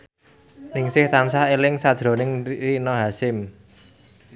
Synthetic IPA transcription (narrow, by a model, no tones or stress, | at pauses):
nɪŋsɪht̪amsahelɪŋsad̥ʒ̥ɾo̤nɪŋrinɔɦasɪm